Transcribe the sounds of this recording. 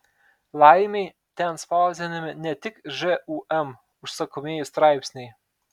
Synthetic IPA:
lˠɑjmʲej | t̪ʲɛnspɑˑʊzʲɛnʲɪmʲɪnʲɛt̪ʲɪkʒɛuʔɛm | ʊʃsɐkɔmʲeːjʊst̪ɾɑɪpʲsʲnʲɛj

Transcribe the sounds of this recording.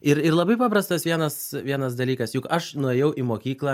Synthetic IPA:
ɪɾɪɾlˠɐbɐɪpɑːpɾɐst̪ɐsʋʲiɛnɐsʋʲiɛnɐs̬d̪ɐlʲiːkɐsjʊkɐʃnʊɛːjɛʊʔimoːkʲiːklˠɑː

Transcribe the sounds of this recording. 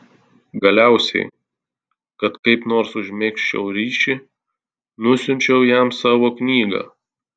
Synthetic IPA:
ɡɐlʲæˑʊsʲɛ̰ɪ | kɐt̪kɐɪpnoːɾsʊʒʲmʲeːkʃʲt͡ʃʲɛ̰ʊɾʲiːʃʲɪ | nʊsʲʊnʲt͡ʃʲɛʊjɛmsɑːʋoːknʲiːɡɑ̰ː

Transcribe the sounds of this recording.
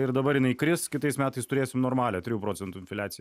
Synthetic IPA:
ɪrd̪ɐbɐɾjɪnɐɪkɾʲɪskʲɪt̪ɐɪsmʲæːt̪ɐɪst̪ʊɾʲeːsʲɪmnoːɾmɑːlʲɛːt̪ʲɾʲɪjuːpɾoːt͡sʲɛnt̪uːɪnʲfʲɪlʲæːtsʲɪj

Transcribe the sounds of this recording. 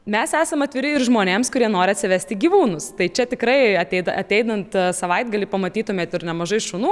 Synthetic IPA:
mʲɛsæːsɐmɐt̪ʲʋʲɪɾʲɪɪɾʒmoːnʲeːmskʊɾʲiɛnoːɾʲɪɐt̪sʲɪʋʲæsʲt̪ʲɪɡʲiːʋuːnʊst̪ɐɪt͡ʃʲɛt̪ʲɪkɾɐɪɐt̪ʲɛɪd̪ɐʔɐt̪ʲɛɪd̪ɐnt̪sɐʋɐɪd̪̚ɡɐlʲɪpɐmɐt̪ʲiːt̪ʊmʲeːt̪ɪɾnʲɛmɐʒɐɪʃʊnuː

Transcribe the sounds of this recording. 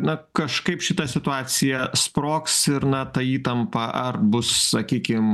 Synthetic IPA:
nɐkɐʃkɐɪpʃʲɪt̪ɐsʲɪt̪ʊɑːsʲɪjɛspɾoːksɪɾnɐt̪ɐiːt̪ɐmpɐʔɐrbʊssɐkʲiːkʲɪm

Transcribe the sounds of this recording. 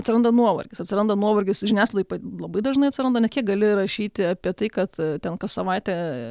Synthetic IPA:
ɐt̪ʲsʲɪɾɐnd̪ɐnuɔʋɐ̰rʲɡʲɪsɐt̪sʲɪɾɐnd̪ɐnuɔʋɐrʲɡʲɪsʒʲɪnʲæːslˠpɐlˠɐbɐɪd̪ɐʒnɐɪɐt̪ʲsʲɪɾɐnd̪ɐnʲɛskʲiɛk̚ɡɐlʲɪɾɐʃʲiːt̪ʲɪɑpʲiɛt̪ɐɪkɐt̪t̪ʲɛnkɐssɐʋɑɪt̪ʲɛ

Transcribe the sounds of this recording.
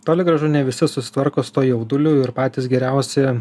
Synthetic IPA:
t̪oːlʲɪɡɾɐʒʊnʲɛʋʲɪsʲɪsʊsʲɪ̥t̪ʋɐɾkoːsʊt̪oːjɛʊd̪ʊlʲuːɪɾpɑːt̪ʲiːsɡʲɛɾʲæˑʊsʲɪ

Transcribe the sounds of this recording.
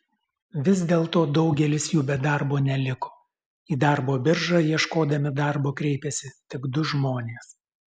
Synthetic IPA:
ʋʲɪzd̪ʲeːlˠt̪oːd̪ɒʊɡʲɛlʲɪsjuːbʲɛd̪ɑɾboːnʲɛlʲɪko̥ː | iːd̪ɑˑɾboːbʲɪɾʒɑːjiɛʃkoːd̪ɐmʲɪd̪ɑˑɾboːkɾʲɛɪpʲɛsʲɪt̪ʲɪɡd̪ʊʒmoːnʲeːs

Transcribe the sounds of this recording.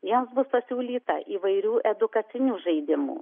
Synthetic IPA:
jimsbʊspɐsʲuːlʲiːt̪ɐ̰ʔʔiːʋɐɪɾʲuːʔɛd̪ʊkɐt̪sʲɪnʲuːʒɐɪd̪ʲɪmṵː

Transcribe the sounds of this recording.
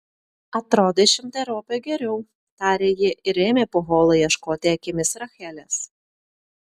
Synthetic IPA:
ɐt̪ɾoːd̪ʲeʃʲɪmʲt̪ʲɐɾoːpʲeɡʲɛɾʲɛʊ | t̪ɑːɾʲeːjiɛʔɪɾeːmʲeːpoɣoːlˠɐjɛʃkoːt̪ʲɪɛkʲɪmʲɪsɾɐxʲɛlʲɛs

